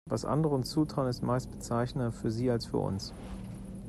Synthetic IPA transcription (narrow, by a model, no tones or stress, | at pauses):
vasʔa̰ndəʁəʊnt͡suːtʁ̥aʊənɪstmaɪstb̥ət͡saɪçnɐfyːɐziːalsfyːɐʔʊ̰ns